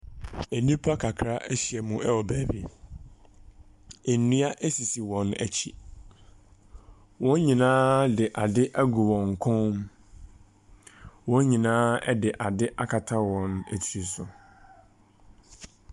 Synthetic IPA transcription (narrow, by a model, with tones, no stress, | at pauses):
æ˨nĩ˦pʰa˦kʰa˨kʰɾa˦ʔɛ˦ɕi˨ɛ˨mũ˨ɛ˦wɔ˨bæː˨bḭ˨ | æ˨nĩ˦a˦ʔæ˦si˨si˨wɔ̃˨næ̰˨t͡ɕʰi˨ | wɔ̃˦n˦ɲĩ˨nãː˦dɪ˨ʔa˨dɪ˦ʔæ˦ɡu˨wɔ̃˨ŋ˨kʰɔ̃˦m | wɔ̃˦n˦ɲĩ˨nãː˦ɛ̰˦dɪ˨ʔa˨dɪ˦ʔa˦kʰa˨tʰa˦wɔ̃˨næ̰˨tʰi˨ɾi˨sʊ̰˨